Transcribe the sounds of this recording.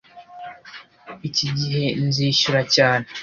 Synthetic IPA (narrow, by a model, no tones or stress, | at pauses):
iciɟiɦe̞nziːʃuɾacaːne